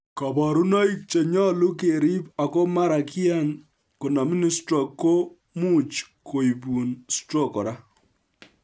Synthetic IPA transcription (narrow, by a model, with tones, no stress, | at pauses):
kɔ˨bɔ˨ɾu˦nɔ˦i˦k̚t͡ʃe˨ɲɔ˦lu˦ke˨ɾi˦pa˨ko˦ma˦ɾa˨kja˦˨n | ko˨na˨mi˦ni˦stɾɔ˨ko˦ | mu˦t͡ʃkʰo˨i˨bu˨nstɾɔ˦˨kɔ̰˨ɾa˦